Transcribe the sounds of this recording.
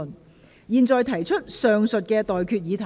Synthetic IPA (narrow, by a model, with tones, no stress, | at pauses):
n | jiː˨˧nt͡sɔː˨jt̪ʰɐ˨˩jt͡ʃʰɵ˥t̚sœː˨ŋsɵ˨t̚kɛː˧t̪ɔː˨jkʰyː˧t̚jiː˨˧t̪ʰɐ˨